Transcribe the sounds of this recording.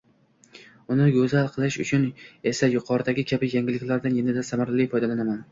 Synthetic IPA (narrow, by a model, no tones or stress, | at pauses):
ʊnɪɡɵzalˠqʰɨlˠɪʃʊ̰t͡ʃʰʊne̞sajʊqʰɒɾɪd̪aɡʲɪkʲʰabɪjaŋɪlɪkʲlaɾd̪anjenɪd̪asamaɾlijfɒjd̪alanaman